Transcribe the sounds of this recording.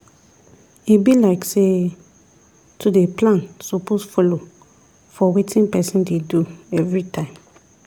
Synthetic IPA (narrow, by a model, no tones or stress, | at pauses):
ibilaɪkse | tʰudeplãnsoposfɔlo | fɔwetĩnpɛsĩndeduɛvɹitʰãɪ̃m